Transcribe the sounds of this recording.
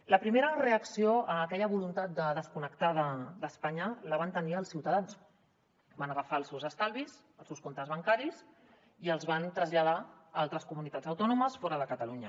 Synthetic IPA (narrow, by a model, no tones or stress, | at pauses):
ləpɾimeɾəreəksioəːkɛʎəβulunt̪at̪̚d̪əðəskunəkt̪aðəd̪əspaɲələβ̞ant̪əniəlˠsiwt̪əðans | banəɣəfaːlˠsewzəst̪alˠβiz | əlˠsewskont̪əzβəŋkaɾiz | iəlˠzβant̪ɾəzʎaða | alˠt̪ɾəskumunit̪ad͡zəwt̪ɔnuməsfɔɾəðəkət̪əluɲə